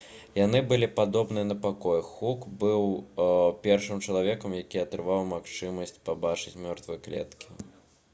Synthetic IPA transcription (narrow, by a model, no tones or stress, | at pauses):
jan̪ɨbɨlʲipad̪ɔbnɨjɐnɐpakɔjxukbɨw | pʲɛrʂɨmt͡ʂɐlˠavʲɛkɐmjakʲiɐt̪ɾɨvawmaxt͡ʂɨmɐsʲt͡sʲpabat͡ʂɨt͡sʲmʲɔrt̪vɨjɛklʲɛ̰t̪kʲʰi̥